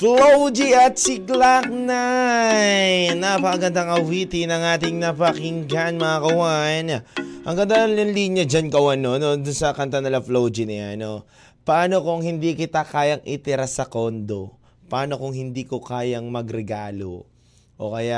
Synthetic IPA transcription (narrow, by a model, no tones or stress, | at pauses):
flowd͡ʒiɐt̪̚sɪklak̚na | jnapɐkɐɡɐnd̪aŋɐwit̪ɪnɐŋaːt̪ɪŋnɐpɐkɪŋɡanmɐŋakɐwajɐnaʔɐŋɡɐnd̪aɐnlɐnliɲɐd͡ʒankɐwɐnonod̪ʊnsɐkɐnt̪anɪlɐflowd͡ʒɪnɐja̰no | pɐʔaːno̞kʊŋhɪnd̪ikɪt̪akaːjɐŋʔɪ̰t̪ɪɾasɐko̞nd̪o̞̰ | pɐʔaːno̞kʊŋhɪnd̪ikokaːjɐŋmɐɡɾɛɡaːlo̞̰ | ʔo̞̰kɐja